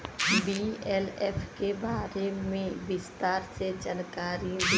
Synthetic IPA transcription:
biɛlɛːpʰkebaːɾemẽʋɪst̪aːɾsed͡ʒankaːɾib

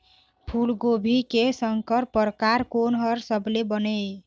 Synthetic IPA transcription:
pʰulɡobʱikesəŋkəɾpəɾkaɾkonɦʌɾsəblebəne

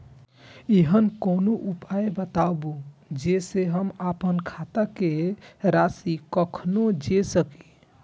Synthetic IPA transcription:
iɦənkoːnoʔupaebət̪abud͡ʒeːseɦəmapənkʰat̪akeɾaːsikəkʰnod͡ʒesəki̥

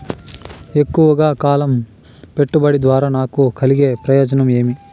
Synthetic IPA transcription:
e̞kːuʋɐɡaːkaːlɐm | pe̞ʈːubɐɽid̪ʋaːɾanaːkukʰɐliɡeːpɾɐjoːd͡ʒɐnɐmeːmi

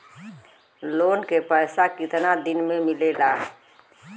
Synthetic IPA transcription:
loːnkepɛːsakɪt̪nad̪ɪnmẽmɪleːlaː

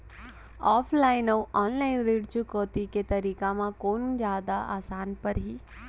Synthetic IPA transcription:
ɔːfʰlainəʋʔɔːnlainɾeɖt͡ʃukəːt̪iket̪əɾikamãkond͡ʒaːd̪aʔa̰ːsaːnpəɾɦi

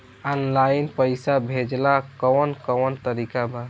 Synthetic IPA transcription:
ənlaɪinpəɪsabʱed͡ʒlakɔwnkəwnt̪əɾikaba

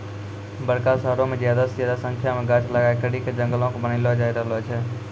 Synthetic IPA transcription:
bəɽkaːsəɦɾõmẽːd͡ʒjaːd̪asd͡ʒaːd̪asə̃ŋkʰjamẽːɡat͡ʃləɡaːekəɽiːked͡ʒə̃ŋɡəlõːkːbənilod͡ʒaːɪɾəlot͡ʃʰɛː

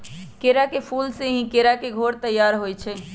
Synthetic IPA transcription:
keɾakepʰulsẽɦĩkeɾakeɡʱoɾt̪əjaɾɦojt͡ʃʰɛ

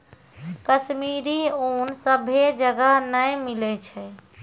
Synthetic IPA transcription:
kəʃmiɾionsəbʱed͡ʒəɡəɦnəjmilɛt͡ʃʰɛ

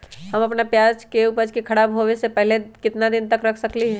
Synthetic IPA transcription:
hɐmɐpnapjaːd͡ʒkeʊpəd͡ʒkikʰɐɽaːbɦoʋesepɛɦlekɪt̪nad̪ɪnt̪ɐkɾɐkʰsɐkliɦɛː

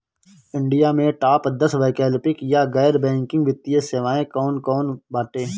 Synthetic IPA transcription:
ɪ̃ɳɖijamẽʈaːpd̪ɐsʋaːɪkɛːlpɪkjaɡɛːɾbɛ̃ːŋkɪ̃ŋɡʋɪt̪ːijeseʋaːẽkɔːnkɔːnbaːʈeː

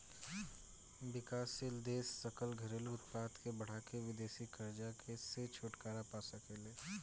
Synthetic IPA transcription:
bɪkaːsɪld̪eːsːɐkəlɡʱɐɾeːluʊt̪paːt̪kebɐɽ̤akeʋɪd̪eːsikɐɾd͡ʒakʰeset͡ʃʰoːʈkaːɾapaːsɐkeleː

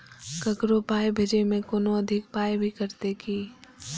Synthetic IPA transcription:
kɐkɾopaːjbʱed͡ʒemẽkoːnoɐd̪ʱɪk̚paːjbʱikɐɾt̪ekʰiː

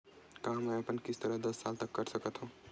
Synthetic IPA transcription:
kaɦmɛəpənkist̪əɾəɦd̪əsːalt̪əkːəɾsəkət̪ɦũ

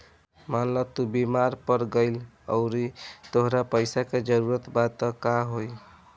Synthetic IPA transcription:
manlət̪ubimaɾpəɾɡəɪl | ə̰ʊɾit̪oɦɾapəjsaked͡ʒəɾuɾət̪bat̪əkaɦoj

